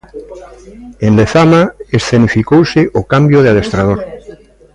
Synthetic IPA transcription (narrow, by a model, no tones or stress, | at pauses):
ẽnleθamaesθenifikowseʔokambjoðeaðest̪ɾað̞oɾ